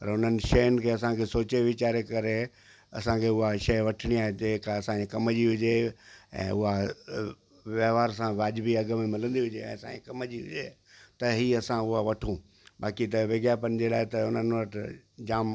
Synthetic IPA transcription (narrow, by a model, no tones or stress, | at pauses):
pɐɾʊn̤ənɪ̆ʃɐjʊnɪ̆kʰeːɐsãkʰesoːt͡ɕeʋɪt͡ɕaːɾekɐɾe | ɐ̰sãkʰeːʊɦaʃɐʋɐʈʰɪɽ̃iaːɦed͡ʑeːkaɐsãekɐməd͡ʑiɦʊd͡ʑeɛ̰̃ːʊɦa | ʋɐɦʋaːɾs̬ãʋaːd͡ʑbiɐɡə̆mẽmɪlə̃nd̪iɦʊd͡ʑeɛ̰̃ːɐsã̰ekɐməd͡ʑiɦʊ̰d͡ʑe | t̪ɐɦiɐsãʊɦaʋɐʈʰũː | baːkit̪ɐʋeːɡjaːpɐnɪ̆d͡ʑelaːɪt̪ɐʊn̤ənɪʋɐʈʰ | d͡ʑaːm